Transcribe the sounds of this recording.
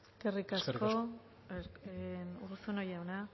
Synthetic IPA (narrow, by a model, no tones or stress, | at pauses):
kerikasko | eursunojawna